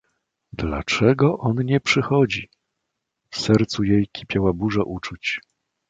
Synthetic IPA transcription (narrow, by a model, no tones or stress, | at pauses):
d̪la̰t͡ʂɛɡɔʔɔnɲɛpʂɘxɔd͡ʑi | fsɛɾt̪sujejkʲʰi̥pʲjawabuʐaʔut͡ʂut͡ɕ